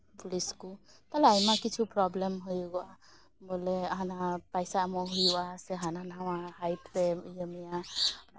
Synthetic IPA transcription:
puliskut̪alajmakit͡ʃʰupɾɔblemɦujɡɔa | mɔlɛaɦanapajsaːmɔɦujwasɛɦananawahajpɾejəmija

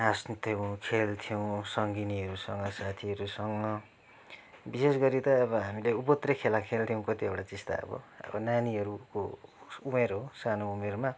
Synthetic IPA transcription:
asnt̪ʰjow̃kʰelt̪ʰijow̃sʌŋɡiniɦʌɾusʌŋɡʌsat̪ʰiɦʌɾusʌŋɡʌ | bises̬ɡʌɾit̪ʌːβʌɦamileupʌt̪rekʰelãkʰelt̪ʰjõw̃kʌt̪iʌwʈat͡sist̪a̰ʌ̰bʌ̰ʌ̰bʌnaniɦʌɾukoumerɦosanoumerma

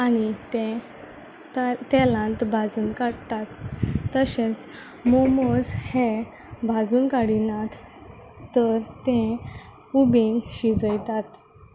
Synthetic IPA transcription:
anit̪ẽ | t̪ɛlãnt̪bʱad͡zuːnkaɽt̪at̪ːəɕẽt͡s | momoshe | bʱad͡zuːnkaɽilãt̪ː | əɾt̪ẽ | ubenɕid͡zəjt̪at̪

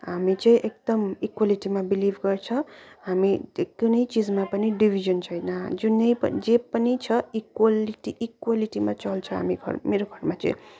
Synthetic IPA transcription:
ɦamit͡sʌĩʔek̚d̪ʌmikwaliʈimabilibʱɡʌrt͡sʰʌɦamiekunʌjt͡sid͡zmapʌniɖibʱid͡ʒʌnt͡sʰʌjnʌd͡zunʌjpʌ̰d͡zepʌnit͡sʰʌikwaliʈiʔikwaliʈimat͡sʌlt͡sʰʌɦa̰mḭɡʱʌ̰ɾmeɾoɡʱʌɾmat͡sʌ̰ĩ

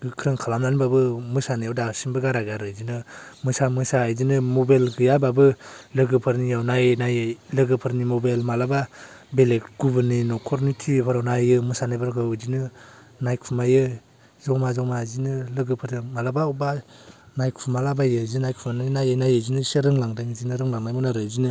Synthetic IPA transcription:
ɡɯkʰɾɯŋkʰalamnanibabɯmɯsanɯjawdasinbɯɡaɾaɡaɾɯzinɯmɯsamɯsajzinɯmɔbajlɡɯjababɯlɯɡɯpʰɯɾnijawnajɯnajlɯɡɯpʰɯɾnimɔbajlmalababelek̚ɡ̥ubɯninɔkʰɔɾnitʰipʰɔɾawnajɯmɯsanajbaɾɡɯzinɯ | najkʰumajɯ | zɔmazɔŋmazinɯlɯɡɯpʰɯɾdɯŋmalabaɔwba | najkʰumalabajɯzinajkʰumanɯnajɯnajɯzinɯseɾɯŋlaŋdɯŋzinɯɾɯŋlaŋnajmɯnaɾɯzinɯ

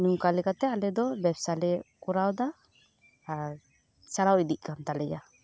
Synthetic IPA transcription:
numkalɛkat̪ɛalɛd̪ɔbɛbsalɛkuɾawd̪a | t͡ʃaɾawid̪iʔ̚kant̪alɛd͡ʒa

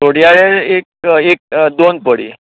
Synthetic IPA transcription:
oɽjaɭeɾek̚ek̚d̪onpəɽḭ

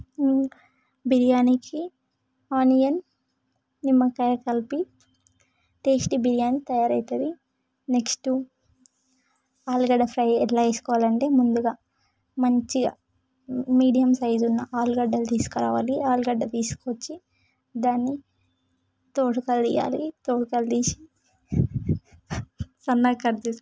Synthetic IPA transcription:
biɾijaːnikʰi | aːnijɐnː | imːɐkɐjɐkɐlpi | ʈeːsʈibiɾijaːnit̪ɐjaːɾɐjt̪ɐd̪i | neksʈu | aːlɡɐɖɐpʰɾɐjɛlaːt͡ʃeːsu̥kɔːʋaːlɐɳʈe̞ːmund̪uɡaː | mɐɲt͡ʃi | miːɖijɐmsɐjd͡ʒunːɐʔaːluɡɐɖːɐlt̪iːsu̥kɐɾaːʋaːliaːlɡɐɖːɐt̪iːsu̥kot͡ʃːi | d̪aːnːi | t̪oːʈukɐld̪iːja̰ːlit̪oːʈukɐld̪iːsi | sɐnːaːkːɐɾt̪iːs

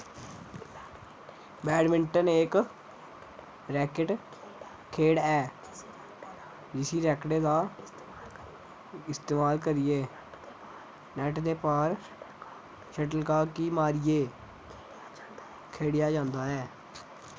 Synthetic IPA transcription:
bɛːɖmɪɳʈəneːk | ɾɛːkɪʈ | kʰeːɽɛː | d͡ʒɪsiːɾɛːkɽeːd̪aː | ɪst̪eːmaːlkəɾijeː | nɛːʈd̪eːpaːɾ | ʃɛʈəlkaːkiːmaːɾijeː | kʰeːɽɪjaːd͡ʒãːnd̪aːɛː

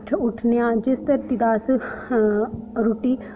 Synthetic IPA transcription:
ʈʰʊʈʰnjãːd͡ʒɪst̪əɾt̪id̪aːs | ɾuːʈiː

